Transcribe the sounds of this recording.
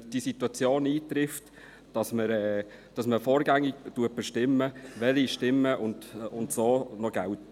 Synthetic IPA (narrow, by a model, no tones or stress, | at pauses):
d̥isituɑt͡sjoːniːt̪ɾɪft | d̥ɑsməɾɛː | d̥ɑsməfɔːɾɡæŋɪɡ̚tuət̚b̥ɪʃtɪmːəʋɛliʃtɪmːəʔʊndʊntsoːnɔɡ̥ælt